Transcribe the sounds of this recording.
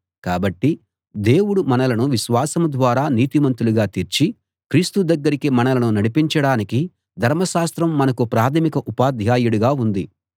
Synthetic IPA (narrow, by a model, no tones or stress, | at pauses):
kaːbɐʈːi | d̪e̞ːwuɽumɐnɐlɐnuʋiʃʋaːsɐmd̪ʋaːɾaːniːt̪imɐnt̪uluɡaːt̪iɾt͡ʃi | kɾiːst̪ud̪ɐɡːɐɾikimɐnɐlɐnunɐɽipiɲt͡ʃɐɽaːniki | d̪ʱɐɾmɐʃaːst̪ɾɐmːɐnɐkupɾaːt̪ʰɐmikɐʔupaːd̪ʱjaːjuɽuɡaːund̪i